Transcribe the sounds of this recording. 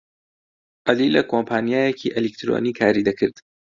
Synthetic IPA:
ʔɐliːlɐkʰoːmpʰaːnijaːjecʰiːʔelikt̪ʰɾo̰ːniːkʰaːɾiːd̪ɐkʰɨɾd̪̥

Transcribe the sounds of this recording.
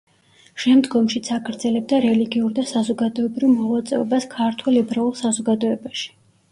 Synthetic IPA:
ʃɛmd̪ɡɔmʃit̪sʰakʰɾd̪zɛlɛb̚d̪aɾɛliɡiuɾd̪asazɔɡad̪ɔɛbɾivmɔlat̪sʼɛ̰ɔbaskʰaɾt̪ʰwɛlɛbɾaulˠsazɔɡad̪ɔɛbaʃi̥

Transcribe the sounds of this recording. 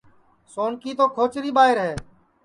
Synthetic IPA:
soːnkiːt̪oːkʰoːt͡ʃɾiːɓaːɦɪɾɦeː

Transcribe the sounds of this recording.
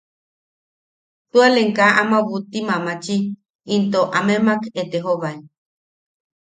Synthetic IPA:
t̪ualeŋkaʔamaβut̪imamat͡ʃiː | nt̪oʔamemaket̪eɦoβaj

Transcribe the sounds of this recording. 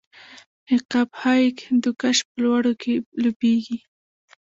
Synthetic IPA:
hɪqaphajkd̪ukaʃpəlwaɽokʰelobeɡi

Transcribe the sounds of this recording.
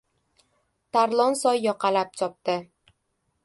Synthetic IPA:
t̪ʰaɾlˠɒnsɒjːɒqʰɑlap̚t͡ʃʰɒp̚t̪ɪ

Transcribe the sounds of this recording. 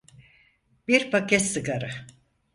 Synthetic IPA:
b̥iɾpʰakɛt̪sɯɡaɾɯ

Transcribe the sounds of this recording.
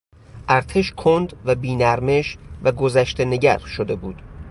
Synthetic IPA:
ʔæɾt̪ʰeʃkʰond̪væbiːnæɾme̞ʃvæɡo̞zæʃt̪ene̞ɟæ̰ɾʃod̪e̞buːd̪̥

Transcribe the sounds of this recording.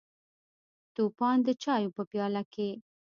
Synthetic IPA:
t̪upɑnd̪ət͡ʃɑjopəpjɑlake

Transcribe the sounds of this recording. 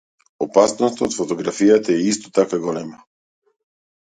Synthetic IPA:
opasnɔst̪aot̪fot̪oɡɾafijat̪aɛist̪o̥t̪akaɡɔlɛma

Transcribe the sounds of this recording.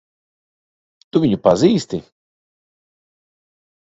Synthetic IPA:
t̪uviɲupaziːst̪i

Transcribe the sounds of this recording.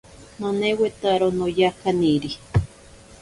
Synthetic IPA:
nanewet̪aɾonojakaniɾi

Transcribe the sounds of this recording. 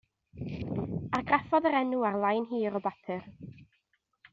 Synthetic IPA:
arɡrafɔðəɾɛnuarlˠajnɦiːɾɔbapʰɨr

